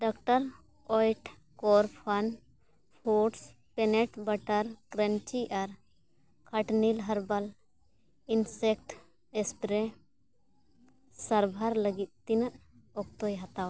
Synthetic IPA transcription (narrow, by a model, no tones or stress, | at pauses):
ɖɔkʈaɾ | ɔjʈ | kɔɾpʰan | pʰoʈs | pɛnɛʈbaʈaɾkɾənt͡ʃiʔaɾ | kʰaʈnilɦəɾbal | insɛkʈ | ɛspɾɛ | saɾbʱaɾləɡit̪̚t̪inəʔ | ɔk̚t̪ɔjɦat̪aw